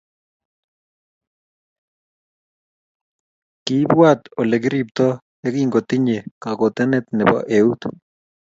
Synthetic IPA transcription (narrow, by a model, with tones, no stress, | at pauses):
ki˨˦bwat̪ɔ˨lɛ˨k̬ɾip̚t̪ɔ˦ | ɛ˦kiŋɡo˨t̪ɪ˦ɲe˨ka˨ko˨t̪ɛ˦nɛt̪nɛ˨bɔ̰˦ʔe˨ut̪